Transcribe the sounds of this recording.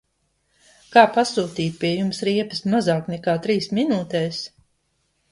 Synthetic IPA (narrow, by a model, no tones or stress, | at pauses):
kaːpasuːt̪iːt̪̚ʲpʲiɛjumsɾiɛpɐsmazaːknɛkaːt̪ɾiːsminuːt̪ɛːs